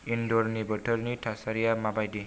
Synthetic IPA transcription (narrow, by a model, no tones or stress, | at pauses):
indoɾnibʌʈʰəɾniʈʰasaɾijamabajd̪i